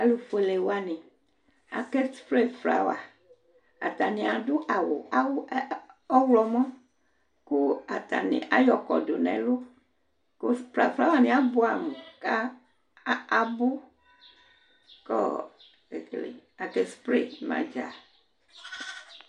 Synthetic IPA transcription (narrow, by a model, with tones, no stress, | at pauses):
a˨lu˨fo˨e˨le˨wa˨nẽ˨ | a̰˨ke˦spɾe˦fɾa̰˨wa˨ | a˨t̪a˨nẽ˨a˨ɖo˦ʔa˨wo̰˨a˦wɔ˦wlɔ˨mɔ̃˦ | ku˦a˨t̪a̰˨nḛ̃˨ʔa˦jɔ˨kɔ̰˨do˨nɛ̰̃˨lo˦ | ko˦fɾa˨fɾa˦wa˨nẽ˨a˨bo˦a˨m˨ka˦ | a˨bo˦ | kɔ̰˦ | e˨klḛ˨a˨ke˦spɾḛ˦˨mã̰˨d͡ʒa̰˨